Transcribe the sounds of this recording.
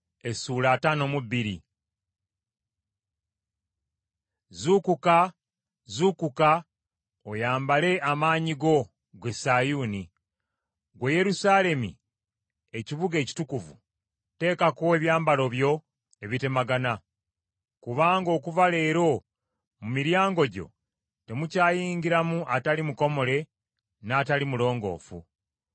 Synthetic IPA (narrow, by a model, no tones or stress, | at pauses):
e̞sulaːtano̞mubːiɾḭ | zukuka | zukuka | ojaːmbale̞ʔamaːɲiɡo̞ | ɡwe̞saːjuːni | ɡweje̞ɾusaːle̞mḭ | e̞ciβuɡe̞ːci̥tukuvṵ | te̞ːkakoeβjaːmbalo̞βjo̞ | e̞βite̞maɡana | kuβaːŋɡo̞ːkuvale̞ːɾo̞ | mumiɾjaːŋɡo̞ɟo̞̰ | te̞mucaːjiːɲɟiɾamuʔatalimuko̞mo̞le̞ | naːtalimulo̞ːŋɡo̞̰ːfṵ